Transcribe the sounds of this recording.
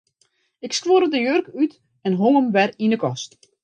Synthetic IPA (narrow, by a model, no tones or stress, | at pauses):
ɪkskʋoɾədəjørkyt | ɛnɦoŋəmʋɛrinəkɔst